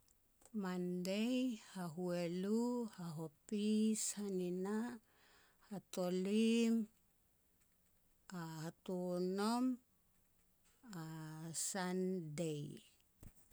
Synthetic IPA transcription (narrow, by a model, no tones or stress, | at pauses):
mandejhaɦueluhaɦopishanina | hatolim | ahatunom | asandej